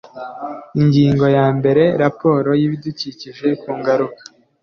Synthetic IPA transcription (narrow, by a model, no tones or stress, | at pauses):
iɲɟiːŋɡo̞jaːmbe̞ɾe̞ɾapo̞ːɾo̞jiβiduciciʒe̞kuːŋɡaɾukḁ